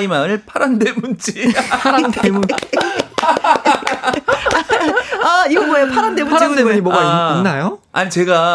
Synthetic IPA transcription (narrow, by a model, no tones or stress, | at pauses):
imaɯɭpʰaɾandwemund͡ʑipʰaɾandemuɲ | aiɡʌmʌepʰaɾandweaɾandemuɲimoɡaiinːajoaɲit͡ɕe̞ɡa